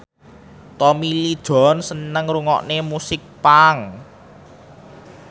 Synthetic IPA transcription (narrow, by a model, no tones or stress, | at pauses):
t̪ɔmilid̥ʒ̥ɔ̤nsənəŋɾuŋɔ̰ʔnemusɪk̚paŋ